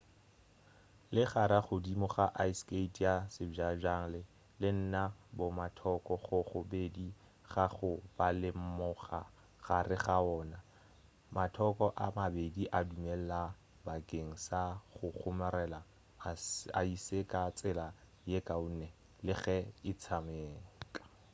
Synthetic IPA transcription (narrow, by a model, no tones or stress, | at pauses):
lɪχaɾaχʊdimɔχaʔaisketʰʼjasɪd͡ʒaʒaŋ̩lɪ | lɪn̩nabʊmatʰɔkʼɔχʊχʊbedi | χaχʊb̥alɪm̩mɔχa | ɣarɪχaɔːna | matʰɔkʼɔʔamabediʔadumɛlla | bakʼeŋ̩saχʊχʰʊmɛɾɛla | a̰isekʼat͡sʼɪla | jekʼaunɛ | lɪɣɛɪt͡sʰameːkʼḁ